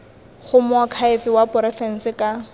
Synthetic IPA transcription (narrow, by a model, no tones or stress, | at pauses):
χʊmʊakʰaɪfɪwapʼʊɾɛfɛn̩sɪkʼa